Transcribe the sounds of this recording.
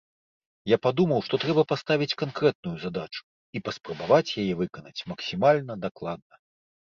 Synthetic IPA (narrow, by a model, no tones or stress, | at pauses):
japad̪umɐwʂt̪ɔt̪ɾɛbɐpast̪avʲit͡sʲkankɾɛt̪̚nujuzad̪at͡ʂu̥ | ipɐspɾɐbavat͡sʲjajɛvɨkɐnɐt͡sʲmɐksʲimalʲnɐd̪aklˠad̪̚nɐ